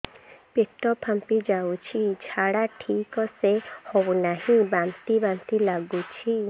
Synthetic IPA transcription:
peʈːɔpʰampid͡ʒawt͡ʃʰit͡ʃʰaɽaʈʰikɔsehɔbunaɦĩbamt̪ibant̪ilaɡut͡ʃʰi

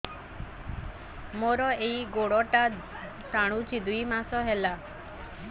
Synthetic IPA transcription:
moɾɔeiɡoɽɔʈa | saɽ̃ũt͡ʃid̪ʱuimasɔɦela

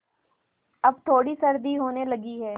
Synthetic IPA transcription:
əbt̪ʰoːɽiːsəɾd̪iːɦoːneːləɡiːɦɛː

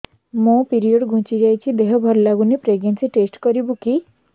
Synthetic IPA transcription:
mõpiɾioɖɡʱũt͡ʃid͡ʒajt͡ʃʰid̪eɦɔbʱɔɾlaɡunepɾeɡnensiʈesʈkɔɾibuki

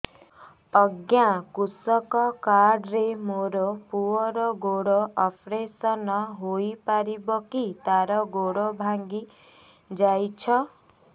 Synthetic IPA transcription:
ɔɡjakusɔkɔkaɖɾemoɾɔpuɔɾɔɡoɽɔʔɔpʰɾesɔnɔɦojpaɾibɔkit̪aɾɔɡoɽɔbʱaŋɡi | d͡ʒajt͡ʃʰɔ

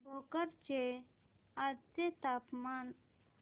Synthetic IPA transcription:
bʱokəɾt͡ʃe | at͡ʃet̪aːpman

